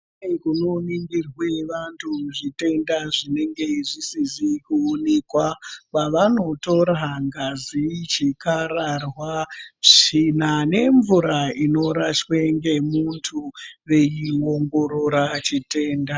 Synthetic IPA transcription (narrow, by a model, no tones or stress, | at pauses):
ekunoniŋɡirwe̞ʋantʰuuʐite̞ndaʐine̞ŋɡe̞ʐisizikuonekwapaʋano̞to̞ɾaŋɡazit͡ʃikaɾarwaʐinane̞ɱvuɾaino̞ɾaʃweŋɡe̞muntʰuʋe̞jiwo̞ŋɡo̞ɾo̞ɾat͡ʃite̞ːnda